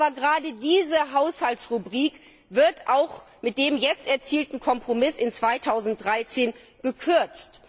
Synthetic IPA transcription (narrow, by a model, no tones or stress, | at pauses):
bɐɡəʁaːdədiːzəɦaʊshaltsʁubʁiːk | vɪɐtʰʔaʊx | mɪt̚d̥eːmjɛt͡stɛɐt͡siːltn̩kʰɔmpʁ̥omɪsɪnt͡sv̥aɪtʰaʊzn̩t̚d̥ʁaɪt͡seːn | ɡ̥əkʰʏɐt͡st